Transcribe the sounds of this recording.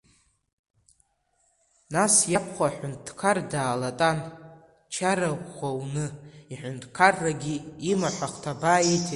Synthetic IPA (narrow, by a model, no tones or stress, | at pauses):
nasjapʰχʷaħʷʊntʰkʰardaːlatʼan | t͡ʃʰaɾakʷʰʼχʷawnɨiħʷᶣʊntʰʼkʰarːaɡʲiimaħʷaχʷtʰabaːjetʰ